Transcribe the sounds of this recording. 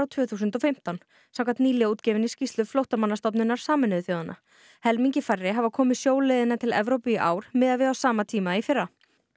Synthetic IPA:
awt̪ʰv̥œːθuːsʏnt̪ɔfɪm̥t̪an | sawkat̪niːlɪuːt̪cɛːvɪnːɪscist̪lʏflowht̪amanːast̪ɔp̬nɪnːaɾ̥saːmɪnʏðʏθjoːwðana̰ | hɛlmiɲcɪfarːɪɦavakʰɔːmɪðsjoːwleːðɪnːat̪ʰɪlɛ̰vɾowpiʔa̰ːwɾ̥mɪːðavɪawsaːmat̪ʰiːmaifɪrːa

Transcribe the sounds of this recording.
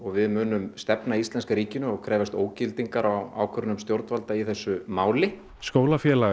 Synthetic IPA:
ɔɣvɪðmʏːnʏmst̪ɛpnaist̪ɛnskaɾiːcɪnʏɔɣkʰɾɛːvast̪oːwcɪlt̪iŋkaɾaa̰ːwkʰœɾnʏmst̪jowɾt̪valt̪aiθɛsːʏmaːwlɪ | skoːwlafjɛːla

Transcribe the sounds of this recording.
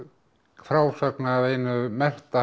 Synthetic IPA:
fɾaːwsaknaːvejnʏmɛr̥t̪a

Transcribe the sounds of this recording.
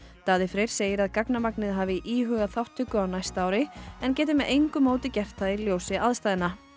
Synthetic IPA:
t̪aːðɪfɾejɾ̥seːjɪɾaðkaknamaknɪðɦaːvɪʔiːɦʏːɣaθawht̪ʰːʏkʏawnajst̪aːwɾɪɛncɛːt̪ɪmɛðʔejŋkʏmoːwt̪ɪcɛr̥t̪ailjoːwsɪaðst̪ajðɪna

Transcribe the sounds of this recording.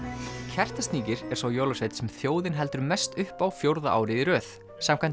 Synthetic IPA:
cʰɛr̥t̪ast̪niːcɪɾɛɾ̥sawjoːlɔsejt̪sɛmθjoːwðɪnɦɛl̪t̪ʏɾmɛst̪ʏhpawfjowɾðaʔa̰ːwɾɪiɾœːθ | saːmkʰan

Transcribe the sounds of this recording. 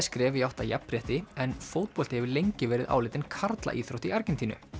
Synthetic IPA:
skɾɛːvɪjawht̪ajɛpːɾɛht̪ɪɛnfoːwt̪̚pɔlt̪ɪhɛvɪlejɲcɪvɛːɾɪða̰wlɪːt̪ɪnkʰaɾt̪la̰ʔiːθɾowht̪iaɾcɛnt̪iːnʏ̰

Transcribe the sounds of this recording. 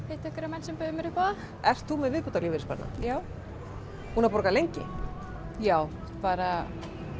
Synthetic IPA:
heht̪ɪɛhkvɛɾamɛnsɛmpœːðɪmɛɾʏpaða | ɛr̥t̪θumɛðvɪðput̪aliːvɪɾɪspɛ̰ɾna̰jaːw | huːnapɔɾkalejɲcɪ̰ | jaːw | paːɾa

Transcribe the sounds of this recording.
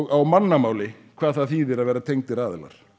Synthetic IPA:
awmanːamaːwlɪ | kʰvaːðθaðθiːðɪɾaðvɛːɾat̪ʰejŋt̪ɪɾaːðɪla̰ɾ̥

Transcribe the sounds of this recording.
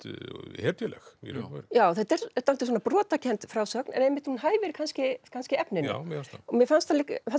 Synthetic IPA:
hɛɾt̪jɛlɛ̰xɛ̰ɾɾjaːwθɛt̪ɛɾɛt̪ːam̥t̪ɪswɔːnapɾɔːt̪acʰɛnt̪fɾaːwsœknɛ̰nɛjmːɪht̪hunɦaðɪvɛːɾɪkʰanscɪkʰanscɪɛpnɪn̰mjɛfanst̪ɔmjɛfanst̪θalɪkfan

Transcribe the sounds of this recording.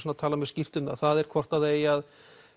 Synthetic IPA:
snat̪ʰaːlamɛscɪft̪ʏna̰θaðɛɾkʰvɔr̥t̪aðejað

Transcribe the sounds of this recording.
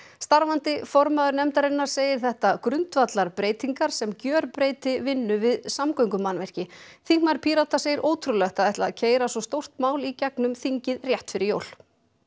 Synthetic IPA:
st̪aɾvant̪ɪfɔɾmaðʏɾnɛmt̪aɾɪnːaɾ̥seːjɪɾ̥θɛht̪akɾʏnt̪vat̪laɾpɾeːjt̪iŋkaɾ̥sɛmcœːɾpɾeːjt̪ɪvɪnːʏvɪðsamkojŋkʏmːanvɛr̥cɪθiŋknaɾpʰiɾawt̪aseːjɪɾʔoːwt̪ʰɾulɛxt̪aðɛht̪laðcʰeːjɾasvɔst̪owr̥t̪maːwlicɛknʏmθiɲcɪðrjɛht̪fɪɾɪɾjo̰ːwl̥

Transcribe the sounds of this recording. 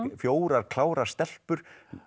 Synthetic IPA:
fjoːwɾaɾ̥kʰlaːwɾḁst̪ɛl̥pʏɾ̥

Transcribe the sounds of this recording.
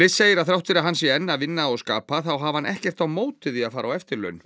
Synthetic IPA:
lɪseːjɪɾaðθɾawht̪vɪɾaɦanːsjɛɛnːavɪnːaɔɣska̰ːpaθawɦavhanʔɛhcɛr̥t̪awmoːwt̪ɪðiaðfaːɾawɛft̪ɪɾlœ̰ɥn

